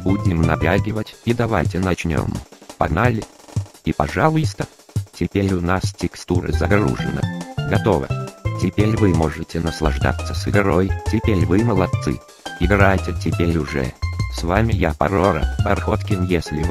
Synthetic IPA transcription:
budʲɪmnɐtʲaɡʲɪvətʲid̪ɐva̰jtʲɪnɐt͡ɕnʲo̰mpɐɡnalʲɪipɐʐalˠʊjst̪ə | tʲɪpʲeɾʲʊnastʲɪkst̪uɾɨ̰zɐɡɾṵʐɨ̰nə̰ɡɐt̪o̞və̰tʲɪpʲeɾʲvɨmo̞ʐɨtʲɪnəslˠɐʐd̪a̰t̪sːəsɨɡɾojtʲɪpʲeɾʲvɨməlˠɐt̪sɨ̰ | ɪɡrajtʲɪtʲɪpʲeɾʲʊʐɛ̰svamʲɪjapɐ̰ɾoɾə̰bɐrxot̪kʲɪnjesʲlʲɪv

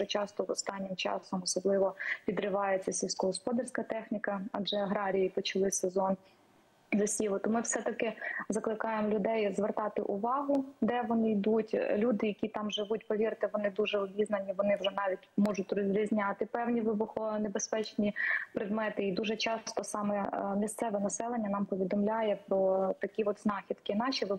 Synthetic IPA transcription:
ɛt͡ʃɑst̪ɔʋɔst̪ɑnʲːɪmt͡ʃɑ̰sɔmɔsɔblˠɪʋɔpʲid̪ɾɪʋɑjet͡sʲːɐsʲilʲsʲkɔɦɔspɔd̪ɐrʲsʲkɐt̪ɛxnʲikɐɐd͡ʒɛɐɦɾɑɾʲijipɔt͡ʃɐlˠɪsezɔn | zɐsʲiʋʊt̪ʊmɪwsɛt̪ɐkɪzɐklˠɪkɑjemlʲʊd̪ɛjzʋert̪ɑt̪ɪ̰ʔʊʋɑɦʊd̪ɛʋɔnɪjd̪utʲlʲud̪ɪjɐkʲit̪ɑmʒɪʋutʲpɔʋʲirt̪ɪʋɔnɪd̪uʒɛɔbʲiznɐnʲiʋɔnɪwʒɛnɑʋʲitʲmɔʒʊt̚ʲrɔzʲɾʲizʲnʲɑt̪ɪpɛwnʲiʋɪbʊxɔnebespɛt͡ʃnʲipɾɪd̪mɛt̪ɪid̪uʒɛt͡ʃɑst̪ɔsɑmɛmʲist̪sɛʋɛnɐsɛlˠenʲːɐnɑmpɔʋʲid̪ɔmlʲajɛpɾɔt̪ɐkʲiɔt̪znɑxʲid̪kɪnɑʃʲiʋ

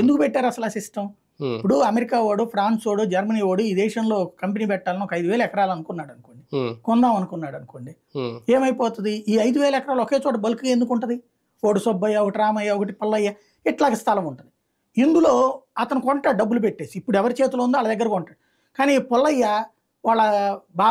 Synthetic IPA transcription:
ed̪ukupɛʈːaːɾɐsɐlaːsisʈɐm | ipːuɽuɐmeɾikaːʋoːɽupʰɾaːnsʋoːɽud͡ʒɐɾmɐniːʋoːɽuiːd̪ɛːʃɐnlo̞ːkɐkɐmpeniːpɛʈːaːlɐnɔkɐjd̪uʋɛːlɐɛkɐɾaːlɐɐnukunːaːɽɐnukoɳɖikɔnd̪aːmɐnukunːaːɽɐnuko̞ɳɖi | eːmɐjpɔːt̪und̪iʔiːɐjd̪uʋɛːlɐɛkɐɾaːlɐɔkeːt͡ʃɔːʈɐbɐlkɡaːend̪ukuɳʈɐnd̪i | oːɽusɔbːɐjːaɔkɐʈiɾaːmɐjːaɔkɐʈ̬ipɔlːɐjːa | ɛʈlaːɡɐst̪ʰɐlɐmuɳʈund̪i | ind̪ulo̞ːɐt̪ɐnukɔɳʈaːɖɐbːulup̬eʈːe̞ːsiːpːuɽuɛʋɐɾit͡ʃeːt̪̬ulɐːund̪oɐlːɐd̪ɐɡːɐɾɐkɔɳʈaːɽu | kaːnipɔlːɐjːa | ʋaːɭːɐbaː

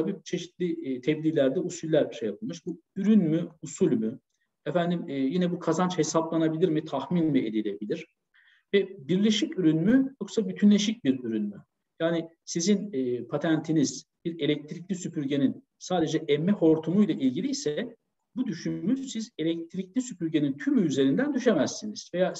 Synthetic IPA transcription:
t̪ʰabiːt͡ʃʰe̞ʃit̪lʲit̪ʰɛblʲiːlʲæɾd̪ɛusulʲːæɾbiʃejapʰɯlˠmɯʃbu | yɾynmyusulʲmy | ɛfænd̪imːjinɛbukʰazant͡ʃhe̞saplˠanabilʲiɾmit̪ʰaxminmie̞d̪ilʲe̞bilʲiɾ̥ | vɛbiɾlʲeʃicyɾynmyjo̞ksabyt̪ʰynlʲe̞ʃic̚biɾyɾynmy | jaːni | sizinːpʰat̪ʰænt̪ʰiniz̥b̥iɾe̞lʲɛc̚t̪ʰɾiclʲisypʰyɾɟe̞nin | saːd̪e̞d͡ʒɛʔɛmːɛho̞ɾt̪ʰumujlˠaʔilʲɟilʲijsɛ | bud̪yʃymysize̞lʲɛc̚t̪ʰɾiclʲisypyɾɟe̞nint̪ʰymyyze̞ɾind̪ænd̪yʃemæzːiniz̥ve̞jaː

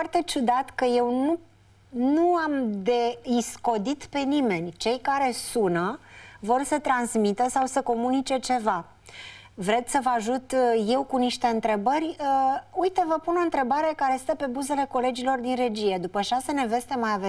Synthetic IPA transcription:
fart̪e̞t͡ʃud̪at̪kəje̞wnu | nuamd̪e̞isko̞d̪it̪pe̞nime̞nʲt͡ʃe̞jkaɾe̞sunəvo̞rsət̪ɾansmit̪əsawsəko̞munit͡ʃe̞t͡ʃe̞va | vɾe̞d̪səvəaʒut̪je̞wkuniʃt̪e̞ɨnt̪ɾe̞bərʲəujt̪əvəpuno̞ɨnt̪ɾe̞baɾe̞kaɾe̞sɨt̪əpe̞buze̞le̞ko̞le̞d͡ʒilo̞rd̪inre̞d͡ʒije̞d̪upəʃasəne̞ve̞st̪e̞mːajave

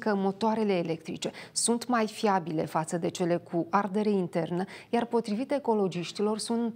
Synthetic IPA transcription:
kəmo̞t̪oaɾe̞le̞ːle̞kt̪ɾḭt͡ʃe̞sunt̪majfiabile̞̰fat̪səd̪e̞t͡ʃe̞le̞kʰuʔard̪e̞ɾe̞int̪e̞rnəjarpo̞t̪ɾivit̪e̞ko̞lo̞d͡ʒiʃt̪ilo̞rsunt̪

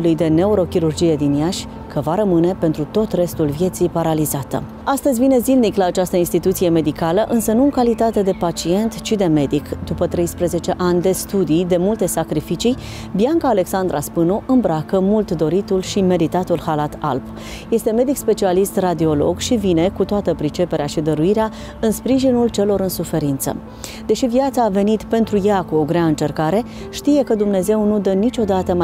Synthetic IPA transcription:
lujd̪e̞ne̞uɾo̞kʲiɾurd͡ʒije̞d̪injaʃʲ | kəvaɾəmɨne̞pe̞nt̪ɾut̪o̞t̪re̞st̪ulvje̞t̪sijpaɾalizat̪ə̰ | ast̪əzʲvine̞zilniklaːt͡ʃast̪əinst̪it̪ut̪sije̞me̞d̪ikaləʔɨnsənuɨŋkalit̪at̪e̞d̪e̞pat͡ʃie̞nt̪t͡ʃid̪e̞me̞d̪ikd̪upət̪ɾe̞jspɾəze̞t͡ʃe̞ʔanʲd̪e̞st̪ud̪ijd̪e̞mult̪e̞sakɾifit͡ʃij | bijaŋkaːle̞ksand̪ɾa̰spɨnuʔɨmbɾakəmult̪d̪o̞ɾit̪ulʃime̞ɾit̪at̪ulhalat̪a̰lp | je̞st̪e̞me̞d̪ikspe̞t͡ʃialist̪rad̪io̞lo̞̰ɡʃivine̞kut̪oat̪əpɾit͡ʃe̞peɾeaʃid̪əɾuiɾea | ɨnspɾiʒinult͡ʃe̞lo̞ɾɨnsufe̞ɾint̪sə̰ | d̪̥e̞ʃivijat̪saːve̞nit̪pe̞nt̪ɾujakuo̞ɡɾeaɨnt͡ʃe̞rkaɾe̞ | ʃt̪ije̞kəd̪umne̞ze̞wnud̪ənit͡ʃʲo̞d̪at̪əm

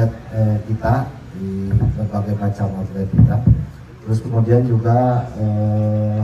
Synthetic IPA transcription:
at̪̚əkit̪a | dibərbaɡajpɾat͡ʃamasdat̪̚kit̪a | t̪əɾʊskəmudiand͡ʒuɡaə

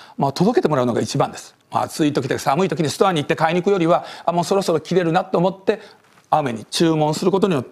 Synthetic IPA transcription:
moat̪o̞d̪o̞ke̞t̪e̞mo̞ɾaɯ̟no̞ɡait͡ɕibã̰nd̪e̞sɨ̥mo̰a̰t͡sɨit̪o̞kʲit̪esamɯit̪o̞kʲiɲ̟ist̪oaɲ̟it̪ːe̞kaiɲ̟ikɯ̟jo̞ɾʲiβaamo̞ːso̞ɾo̞so̞ɾo̞kʲiɾe̞ɾɯ̟nat̪ːo̞ːmo̞t̪ːe̞ | aɯme̞ɲ̟it͡ɕɨːmõɰ̃sɨɾɯko̞t̪o̞ɲ̟ijo̞t̪ː

